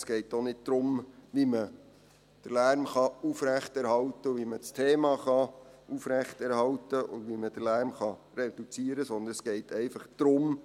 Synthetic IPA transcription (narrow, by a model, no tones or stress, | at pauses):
sɡ̥ɛɪtonɪd̚d̪̥ɾʊmʋimə | d̥əlæɾmχɑufræχtɛɾhɑwtəʊʋimət͡stʰeːmɑχɑufɾæχtɛɾhɑwtəʔʊ̰dʋiməd̥əlæːɾmχɑred̥ut͡siːəɾəsɔnd̪ənɛsɡ̥ɛɪtʰɛɪfɑχd̪̥ɾʊm